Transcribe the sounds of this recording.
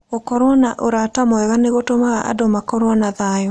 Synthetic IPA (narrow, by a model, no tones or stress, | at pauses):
ɣokɔɾwɔnaʔoɾatamɔɛɣaneɣotomaɣaʔa̰domakɔɾwɔnaðajɔ